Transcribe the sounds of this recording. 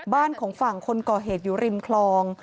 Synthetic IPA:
baː˥˩nkʰɔː˩˦ŋfa˨˩ŋkʰo˧nkɔː˨˩ɦeː˨˩t̪̚juː˨˩ɾi˨˩mkʰlɔː˧ŋ

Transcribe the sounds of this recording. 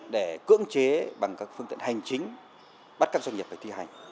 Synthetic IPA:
ɗe˧˩kɨ̰˧˥əŋt͡ɕe˨˦ɓa˨˩ŋkaː˦˥k̚fɨ˧ŋt̪ḭ˧˨ə˨nha˨˩jŋ̟t͡ɕï˨˦ŋ̟ | ɓa˦˥t̚kaː˦˥k̚za˧ŋi˨˩p̚faː˧˩t̪ʰi˧ha˨˩jŋ̟

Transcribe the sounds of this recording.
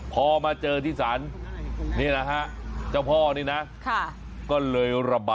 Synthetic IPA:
pʰɔː˧maː˧t͡ɕɤː˧t̪ʰiː˥˩saː˩˦˥nni˥˩ɐna˦˥kʰa˦˥ʔt͡ɕaː˥˩wpʰɔː˥˩niː˦˥˩na˦˥ʔkʰa˥˩ | kɔː˥˩lɤː˧jɾa˧baː˧˩

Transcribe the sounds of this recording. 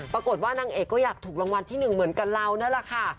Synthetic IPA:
pɾa˧ko˨˩t̪̚waː˥˩naː˧ŋʔeː˨˩kːɔː˥˩jaː˨˩k̚t̪ʰuː˨˩k̚la˧ŋwa˧nt̪ʰiː˥˩nɯ˨˩ŋmɯ˨˩˦nka˧nla˧wna˦˥˩la˨˩kʰa˥˩

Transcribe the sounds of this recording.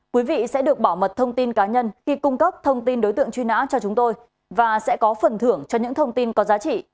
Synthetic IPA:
kwi˨˦vḭ˧˨sɛ̰˧˥ɗɨ˨˩ək̚ɓaː˧˩wmə˨˩t̚t̪ʰə˧wŋ͡mt̪i˧nkaː˨˦ɲə˧nxi˧kʊ˧ŋ͡mkə˦˥p̚t̪ʰə˧wŋ͡mt̪i˧nɗo˨˦jt̪ɨ̰˧˨əŋt͡ɕwi˧na̰ː˧˥t͡ɕɔ˧t͡ɕʊ˨˦ŋ͡mt̪o˧j | vaː˨˩sɛ̰˧˥kɔ˨˦fə˨˩nt̪ʰɨ˧˩əŋt͡ɕɔ˧ɲɨ̰˧˥ŋt̪ʰə˧wŋ͡mt̪i˧nkɔ˨˦zaː˨˦t͡ɕḭ˧˨

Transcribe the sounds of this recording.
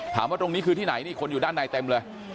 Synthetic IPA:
t̪ʰa̰ː˩˦mwaː˥˩t̪o˧ŋniː˦˥kʰɯː˧t̪ʰiː˥˩na˩˦jniː˥˩kʰo˧nju˨˩aː˥˩nːaː˧jt̪e˧mlɤː˧j

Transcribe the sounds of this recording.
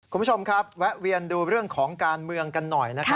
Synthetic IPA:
ku˧˦˥t͡ɕʰo˧mkʰɾa˦˥p̚wɛ˦˥ʔwi˧ənduː˧ɾɯ˥˩əŋkʰɔː˩˦ŋkaː˧nmɯ˧əŋka˧nːɔ˨˩jna˦˥a˦

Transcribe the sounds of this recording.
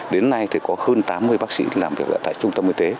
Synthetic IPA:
ɗe˨˦nːa˧jt̪ʰi˨˩kɔ˨˦həː˧nt̪aː˨˦mːɨ˧əjɓaː˦˥k̚sḭ˧˥laː˨˩mvi˨˩ək̚ʔə̰ː˧˩t̪a̰ː˧˨jt͡ɕʊ˧ŋ͡mt̪ə˧mʔi˧˩t̪e˨˦

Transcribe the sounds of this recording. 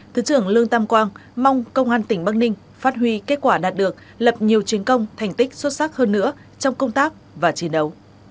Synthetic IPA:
t̪ʰɨː˨˦t͡ɕɨ˧˩əŋlɨ˧əŋt̪a˧mkwaː˧ŋma˧wŋ͡mkə˧wŋ͡mʔaː˧nt̪ï˧˩ŋ̟ɓa˦˥k̚nï˧ŋ̟ | faː˦˥t̚ɦwi˧ke˦˥t̚kwaː˧˩ɗaː˨˩t̚ɗɨ˨˩ək̚ | lə˨˩p̚ɲi˨˩əwt͡ɕi˨˦ənkə˧wŋ͡mt̪ʰɛ˨˩jŋ̟t̪ï˦˥k̟̚swə˦˥t̚sa˦˥k̚həː˧nːɨ̰˧˥ə | t͡ɕɔ˧wŋ͡mkə˧wŋ͡mt̪aː˦˥k̚ | vaː˨˩t͡ɕi˨˦ənɗə˨˦w

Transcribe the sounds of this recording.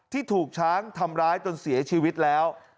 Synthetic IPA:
t̪ʰiː˥˩t̪ʰuː˨˩k̚t͡ɕʰaː˦˥ŋt̪ʰa˧mɾaː˦˥jt͡ɕo˧nsi˩˦ɐt͡ɕʰiː˧wi˦˥t̪̚lɛː˦˥w

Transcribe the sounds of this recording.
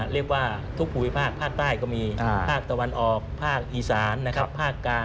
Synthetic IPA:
ɾi˥˩ək̚waː˥˩t̪ʰu˦˥k̚pʰuː˨˩i˦˥˩pʰaː˥˩k̚pʰaː˥˩k̚t̪aː˥˩jkɔː˥˩miː˧pʰaː˥˩k̚t̪a˧wa˧nʔɔː˨˩k̚pʰaː˥˩k̚ʔiː˧˩saː˩˦nːa˦˥kʰa˦˥pʰːaː˥˩kːlaː˧

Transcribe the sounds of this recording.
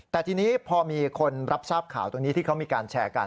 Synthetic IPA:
t̪ɛː˨˩t̪ʰiː˧niː˦˥pʰɔː˧miː˧kʰo˧nɾʔa˦˥p̚saː˥˩p̚kʰa̰ː˨˩˦wt̪o˧ŋniː˦˥t̪ʰiː˥˩kʰa˦˥wmiː˧kaː˧nt͡ɕʰɛː˧ka̰˧n

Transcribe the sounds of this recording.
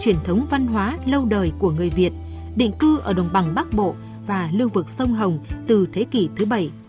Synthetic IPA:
t͡ɕwi˧˩ənt̪ʰə˨˦wŋ͡mva˧nɦwaː˨˦lə˧wɗəː˨˩jku˧˩əŋɨ˨˩əjvi˨˩ət̚ | ɗḭ˧˨ŋ̟kɨ˧ʔəː˧˩ɗə˨˩wŋ͡mɓa˨˩ŋɓa˦˥k̚ɓo̰˧˨ | vaː˨˩lɨ˧əvɨ˨˩k̚sə˧wŋ͡mɦə˨˩wŋ͡mt̪ɨ˨˩t̪ʰe˨˦ki˧˩t̪ʰɨ˨˦ɓə˧˩j

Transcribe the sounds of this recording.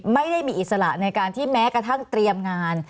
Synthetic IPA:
ma˥˩jda˥˩jmiː˧ʔi˨˩t̪̚sa˧ɾa̰˨˩ʔna˧jkaː˧nt̪ʰiː˥˩mɛː˦˥kɾa˧t̪ʰa˥˩ŋt̪ɾi˧əmŋaː˧n

